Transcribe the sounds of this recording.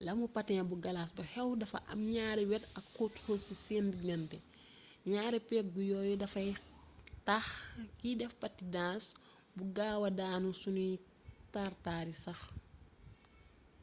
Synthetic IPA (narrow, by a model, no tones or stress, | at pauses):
lɐmupɐtːɐɲɐbuɡɐlaːsbuhɛwdɐfɐ̰ʔɐ̰mɲaːɾɛwɛtɐkːuthusiseːndiɡɐntɛ | ɲaːɾɛpɛk̚ɡujɔːjudɐfɐj | taxkidɛfpɐtːidaːs | buɡaːwɐdaːnusuni | taːrtaːɾisɐx